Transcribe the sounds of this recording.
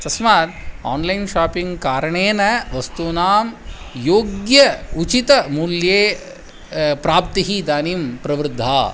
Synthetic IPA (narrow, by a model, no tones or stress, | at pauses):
t̪ɐsmaːt̪aːnlɐjnʃaːpiŋɡkaːɾɐɳeːnɐʋɐst̪unaːm | joːɡjɐut͡ʃit̪ɐmuljeː | pɾaːp̚t̪iɦid̪aːnimpɾɐʋɾɪd̪ʱːa̰ː